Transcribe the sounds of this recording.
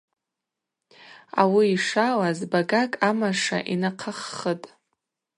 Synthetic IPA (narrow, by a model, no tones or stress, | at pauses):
a̰wiːʂalazbaɡakʼamaʂa̰ʔinaqʰaχːətʼ